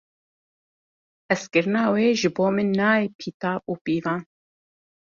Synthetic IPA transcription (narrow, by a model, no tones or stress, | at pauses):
ɛskɨɾɨnɑːweːʒɨboːmɨnːɑːepʰiːt̪ɑːʔuːpiːvɑːn